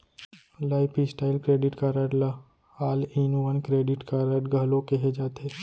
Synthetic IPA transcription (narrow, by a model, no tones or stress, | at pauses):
laɪpʰisʈaɪlkɾeːɖiʈkaɾaʈla | haːliːnũʋənkɾeːɖɪʈkaɾaʈɡəlokeɦed͡ʒaːt̪ʰe